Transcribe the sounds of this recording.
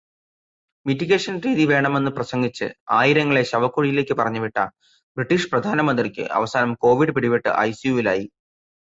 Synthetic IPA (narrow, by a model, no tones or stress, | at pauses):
mitːiɣe̞ːʂɐnriːðiʋe̞ːɳɐme̞nːɨprɐsɐŋɡit͡ɕːɨ̰aːjiɾɐŋːɐɭe̞ɕɐʋɐkːuɻijile̞ːkʲːɨpɐrɐɲːuʋiʈːɐ | briʈːiʂprɐd̪ʱaːnɐmɐnd̪rikʲːɨ̰ʔɐ̰ʋɐsaːnɐmko̞ːʋiɽɨpiɽiʋiʈːɨ̰ʔɐ̰jsijuːʋilaːji